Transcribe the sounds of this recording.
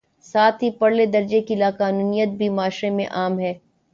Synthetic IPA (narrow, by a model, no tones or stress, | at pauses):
saːt̪ʰɦipɐɽled̪ɐɾd͡ʒekilaqaːnuːnijət̪̚bʱimaːʃɾemḛ̃ʔaːmɦɛː